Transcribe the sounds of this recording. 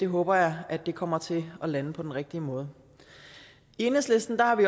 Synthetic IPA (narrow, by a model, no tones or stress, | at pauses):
d̥e̝ɦɔ̽ːb̥ɐjɑ̈ɪʔæd̥ːe̝kʰɒ̽m̰ɐt͡sʰe̝lɒ̽lænəpʰɒ̽d̥enʁeɡ̥̚d̥iəmɔ̽ːð̞ˠ | e̝nəsle̝sd̥n̩d̥ɑ̈hɑ̈ʋi